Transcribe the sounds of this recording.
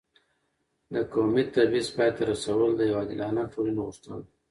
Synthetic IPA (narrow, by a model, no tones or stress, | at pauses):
d̪əkomit̪aɾbizpɑjt̪aɾasawəld̪əjawad̪ɪlɑnatolinɣuʂt̪əl